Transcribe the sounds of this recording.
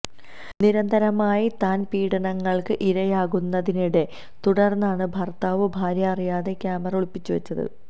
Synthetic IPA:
niɾɐnd̪ʱɐɾɐmaːjit̪aːnpiːɽɐɳɐŋːɐɭkɨʔiɾɐjaːɣunːɐðiniɽe̞ | t̪uɽɐrnːaːɳɨbʱɐrt̪aːʋɨbʱaːɾjɐɐrijaːðe̞kʲjaːmɐrɐuɭpːit͡ɕːuʋɐt͡ɕːɐðɨ̰

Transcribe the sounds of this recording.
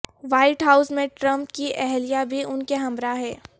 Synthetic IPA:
ʋaːɪʈɦaːʊsmẽʈɾɐ̃mpkiʔɛɦlijabʱiʊnkeɦɐ̃mɾaɦɛː

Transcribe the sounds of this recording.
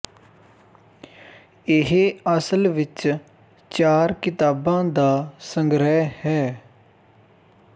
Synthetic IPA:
ɪɦeəsəlʋɪt͡ʃ | t͡ʃaːɾkɪt̪aːbãːd̪aːsəŋɡɾɛːhɛː

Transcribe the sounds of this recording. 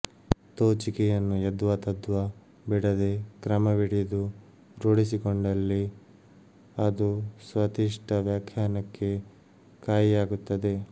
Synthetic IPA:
t̪oːt͡ʃikɛjɐnːujɐd̪ʋɐt̪ɐd̪ʋɐ | biɽɐd̪e̞kɾɐmɐʋiɽijɐd̪u | ɾoːɽisikoɳɖɐlːi | ɐd̪usʋɐt̪iʂʈɐʋjaːkʰjaːnɐkːe̞ | kaːjijaːɡut̪ːɐd̪e̞

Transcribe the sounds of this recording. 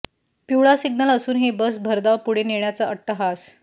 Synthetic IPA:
piwɭasiɡnələsuːnɦebəs̬bʱəɾd̪aʋpuɽ̤eneɳjat͡saʔəʈːəɦas

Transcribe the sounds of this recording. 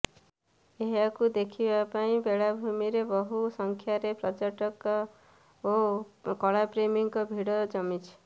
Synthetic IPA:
eɦakud̪ekʰibapaĩbeɽabʱumiɾebʌɦusʌŋkʰjaɾeprʌt͡ʃʌʈʌk | okʌɭapremiŋkobʱiɽʌd͡zʌmit͡sʰ

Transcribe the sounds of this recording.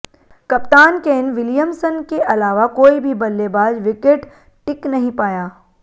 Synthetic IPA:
kɐpt̪aːnkeːnʋɪlijəmsənkeʔɐlaːʋakoːibʱibɐlːebaːd͡ʒʋɪkeʈ | ʈɪknɐɦĩpaːjaː

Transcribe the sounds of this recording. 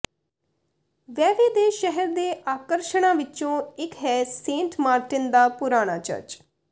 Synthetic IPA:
ʋɛːʋeːd̪eːʃɛɦəɾd̪eːʔaːkəɾʃəɽãːʋɪt͡ʃõːɪkɦɛːsẽːɳʈmaːɾʈɪnd̪aːpʊɾaːɽ̃a̰ːt͡ʃə̰ɾt͡ʃ

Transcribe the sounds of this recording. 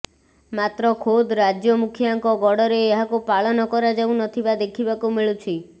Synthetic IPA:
mat̪ɾɔkʰod̪ɾad͡ʒjɔmukʰjaŋkɔɡɔɽɔɾeːɦakupaɭɔnɔkɔɾad͡ʒawnɔt̪ʰibad̪ekʰibakumiɭut͡ʃʰi

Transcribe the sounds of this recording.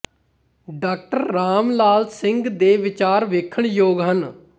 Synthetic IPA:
ɖaːk̚ʈəɾːaːmlaːlsɪ̃ŋɡd̪eːʋɪt͡ʃaːɾʋeːkʰəɳjoːɡɦən

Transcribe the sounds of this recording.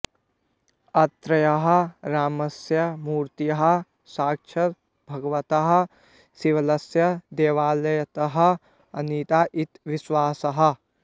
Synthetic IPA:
ɐt̪ɾɐjɐɦɐ̆ɾaːmɐsjɐmuːɾt̪ijɐɦɐ̆ | saːkʃʰɐt̪ | bʱɐɡɐʋɐt̪ɐɦɐ̆ | siʋɐlɐsjɐd̪eːʋaːlɐjɐt̪ɐɦɐ̆ | ɐniːt̪aːʔit̪ʋiswaːsɐɦɐ̆

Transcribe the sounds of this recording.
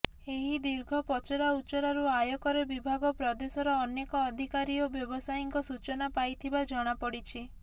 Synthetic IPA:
eɦid̪iɾɡʱɔpɔt͡ʃɔɾaut͡ʃɔɾaɾuajɔkɔɾebibʱaɡɔpɾɔd̪esɔɾɔːnekɔːd̪ʱikaɾiobjɔbɔsajiŋkɔsut͡ʃɔnapajt̪ʰibad͡ʒɔɽ̃apɔɽit͡ʃʰi

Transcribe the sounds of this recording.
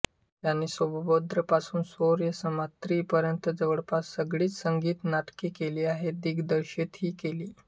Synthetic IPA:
jjanːiːsʋəbbod̪ɾəpasuːnsoɾjəsəmat̪ɾiːpəɾjənt̪əd͡zəʋəɽpassəɡɭiːt͡ssəŋɡiːt̪naʈkiːkeliːaɦed̪iɡd̪əɾɕet̪ɦiːkeliː

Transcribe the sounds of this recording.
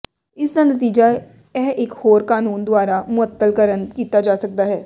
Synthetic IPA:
ɪsnanɐt̪iːd͡ʒa | ɛːʔɪkhoːɾkaːnuːnd̪ʊaːɾamʊət̪ːəlkəɾənkiːt̪ad͡ʒaːsɐk̚d̪aɦɛː

